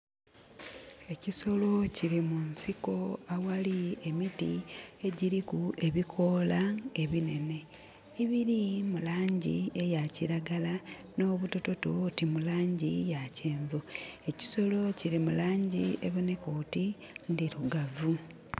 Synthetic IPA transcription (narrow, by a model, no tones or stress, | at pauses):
e̞ciso̞lo̞ciɾimunsiko̞awaliemitie̞ɟiɾikue̞βikʰo̞lae̞βine̞ne̞ | iβiɾimulaːɲɟie̞jaciɾaɡala | no̞ːβuto̞to̞to̞timulaːɲɟijaceːɱvoe̞ci̥so̞lo̞ciɾimulaːɲɟieβune̞koti | ndiɾuɡavu